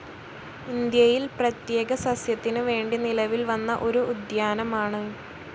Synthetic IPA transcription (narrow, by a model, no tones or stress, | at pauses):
ind̪jɐjilprɐt̪je̞ːɡɐsɐsjɐt̪ːinɨʋe̞ːɳɖinilɐʋilʋɐnːɐʔo̞ɾuːd̪jaːnɐmaːɳɨ